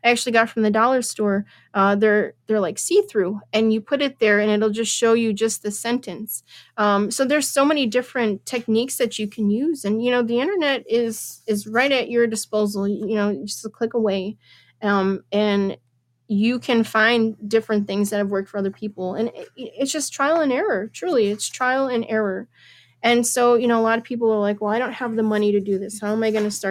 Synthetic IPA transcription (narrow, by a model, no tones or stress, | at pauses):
aɪæk̚t͡ʃʉl̩ˠiɡɑtfɹʌ̃mðɨdɑlˠə˞stɔɹ | ʔʌðə˞ðə˞laɪksiθɹʉɨ̃njɨpʰʊɾɨt̪̚ðə˞ɨ̃nɨɾl̩ˠd͡ʒʌstʃoʊjɨd͡ʒʌst̚ðɨsɛ̃ntʰɨ̃nsʌ̃msoʊðə˞z̥soʊmɛñidɪfɹɨ̃ntʰɛk̚niksðɨt͡ʃɨkʰɨ̃njʉzɨ̃njɨñoʊðiɪ̃ɾ̃ə˞nɛɾɪz̥ɪzɹaɪɾɨt͡ʃə˞dɨspoʊzl̩ˠjɨnoʊd͡ʒʌstkʰl̥ɪkəweɪ | ʌ̃mɨ̃n | jɨkʰɨ̃nfãɪ̃ndɪfɹɨ̃nθɪ̃ŋzðɨt̚ɨvwɜ˞k̚tfə˞ʌðə˞pʰipl̩ˠɨ̰̃nɪtsd̥ʒ̥ʌstʰɹ̥aɪl̩ˠə̃nɛɹə˞tʰɹ̥ʉlˠiɨtstʰɹ̥aɪl̩ˠɨ̃nʔɛɹə˞ | ɨ̃nsoʊjɨñoʊəlɑɾʌv̥pʰipl̩ˠə˞laɪkwɛlˠaɪɾõʊ̃nt̚həvðɨmʌñiɾɨdɨðɪshaʊə̃maɪɡʌnɨstɑ